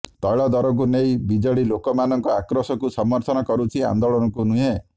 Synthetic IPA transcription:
t̪ɔjɭɔd̪ɔɾɔk̬unejbid͡ʒɔɽilokɔmanɔŋkɔakɾɔsɔkusɔmːɔɾt̪ʰɔnɔkɔɾut͡ʃʰia̰nd̪oɭɔnɔkunuɦe

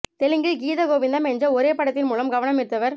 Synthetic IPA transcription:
t̪ɛlɯŋɡɯɡiːðɐɡoːʋɪnd̪ɐmɛnd͡ʒɐɔɾeːpɐɽɐt̪ːɪnmuːlɐmɡɐʋɐnɐmɪɾɯt̪ːɐʋɐɾ

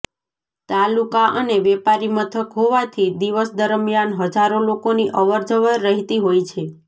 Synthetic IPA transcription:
t̪alukaʔəneʋɛpaɾimət̪ʰəkɦoʋat̪ʰid̪iʋəsd̪əɾmijanɦəd͡ʒaɾolokoniʔəʋəɾd͡ʒəʋəɾəɦit̪iɦojt͡ʃʰe

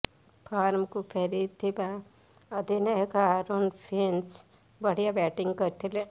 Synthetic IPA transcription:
pʰaːɾmkupʰɐɾid̪̚t̪ʰiba | ɐd̪ineɦkaɾonpʰens | bəɽijabɛːʈiŋɡkəɾt̪ʰile

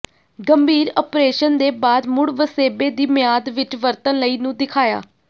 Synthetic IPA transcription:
ɡəmbʱiːɾɔːpɾeːʃənd̪eːbaːd̪mʊɽʋəseːbeːd̪iːmɪjaːd̪ʋɪt͡ʃʋəɾt̪ənləiːnũːd̪ɪkʰaːja̰ː

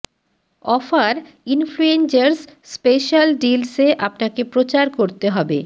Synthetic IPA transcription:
ɔfaɾ | influent͡ɕaɾsspeʃalɖilseʔapnakepɾot͡ɕaɾkoɾt̪eɦɔbe

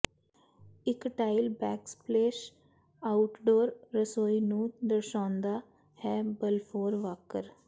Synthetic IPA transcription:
ɪkʈaːɪlbɛːkspleːʃ | aʊʈɖoːɾːəsoːinũːd̪əɾʃãːnd̪aː | hɛːbəlfʰoːɾʋaːkəɾ

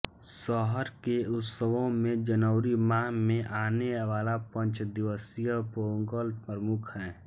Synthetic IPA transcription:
sɔɦəɾkeʊt̪səʋõmẽd͡ʒənəʊɾimaːɦmẽʔaːneʋaːlapə̃ɲt͡ʃd̪ɪʋəsijəpoːɡəlpɾəmʊkʰɦɛ̃ː

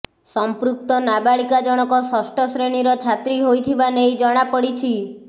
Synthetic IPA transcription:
sɔmpɾuk̚t̪ɔnabaɭikad͡ʒɔɽ̃ɔkɔsɔsʈɔsɾeɽ̃iɾɔt͡ʃʰat̪ɾiɦojt̪ʰibanejd͡ʒɔɽ̃apɔɽit͡ʃʰi

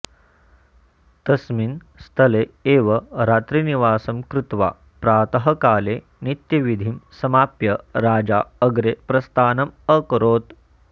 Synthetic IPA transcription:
t̪ɐsmin | st̪ʰɐleːeːʋɐɾaːt̪ɾiniʋaːsɐmkɾut̪ʋa̰ː | pɾaːt̪ɐɦɐkaːle | nit̪jɐʋid̪ʱimsɐmaːpjɐɾaːd͡ʒaːɐɡɾepɾɐst̪aːnɐməkɐɾoːt̪

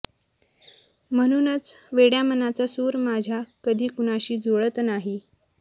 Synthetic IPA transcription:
m̤əñuːnət͡sʋeɽjamənat͡sasuɾmad͡ʑʱjakəd̪ʱiːkuñaɕiːd͡zoɭət̪naɦi

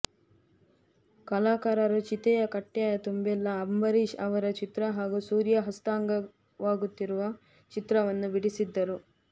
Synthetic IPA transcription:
kɐlaːkaːɾɐɾut͡ʃit̪ɛjɐkɐʈːjaːjɐt̪umbɛlːɐːmbɐɾiʃɐʋɐɾɐt͡ʃit̪ɾɐɦaːɡusuːɾjɐɦɐst̪aːŋɡɐ | ʋaːɡut̪ːiɾuʋɐ | t͡ʃit̪ɾɐʋɐnːubiɽisid̪ːɐɾu

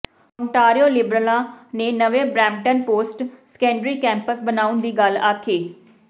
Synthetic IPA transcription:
ɔːɳʈaːɾioːlɪbɾəlãːneːnəʋẽːbɾɛ̃ːmʈənpoːsʈsə̥kɛ̃ːɳɖɾiːkɛ̃ːmpəsbənaːʊnd̪iːɡəlaːkʰeː

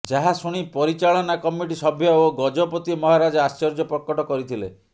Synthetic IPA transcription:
d͡ʒaɦasuɽ̃ipɔɾit͡ʃaɭɔnakɔmiʈisɔbʱjɔoɡɔd͡ʒɔpɔt̪imɔɦaɾad͡ʒɔast͡ʃɔɾd͡ʒɔpɾɔkɔʈɔkɔɾit̪ʰilḛ

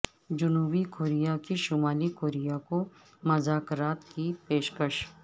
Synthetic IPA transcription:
d͡ʒʊnuːbikoːɾijakiʃʊmaːlikoːɾijako | mɐzaːkɾaːt̪kipeːʃkəʃ

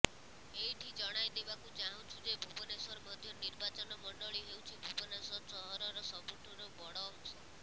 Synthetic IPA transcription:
eʈʰid͡ʒɔɽ̃ajd̪ebakud͡ʒaɦw̃t͡ʃʰud͡ʒebʱubɔnesɔɾmɔd̪ʱjɔniɾbat͡ʃɔnɔmɔɳɖɔɭiɦewt͡ʃʰibʱubɔnesɔɾt͡ʃɔɦɔɾɔɾɔsɔbuʈʰɔɾɔbɔɽɔŋsɔ

